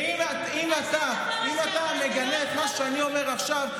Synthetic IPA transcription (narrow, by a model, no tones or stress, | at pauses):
ima | imat̪a | imat̪ame̞ɡaleet̪maʃeanio̞me̞ʁaχʃav